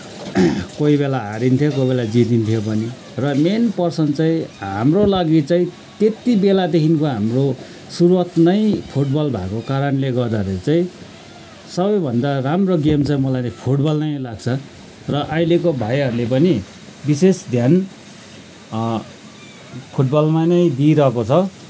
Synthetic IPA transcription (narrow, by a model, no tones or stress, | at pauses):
koibelaɦaɾint̪ʰjokoibelad͡zit̪int̪ʰjopʌni | rʌmenpʌrsʌnt͡sãĩɦamrolaɡit͡sãĩ | t̪et̪ibelad̪ekʰinkoɦamro | suɾuat̪nʌj̃pʰuʈbʌlbʱakokaɾʌnleɡʌrd̪aɾet͡sãĩ | sʌbʌjbʱʌnd̪aramroɡemt͡saĩmʌlajnʌpʰuʈbʌlnʌjlaɡ̚t͡sʰʌ | rʌʔailekobʱajɦʌɾulepʌni | bisesd̪ʱjan | pʰuʈ̚bʌlmanʌj̃d̪iɾʌkot͡sʰʌ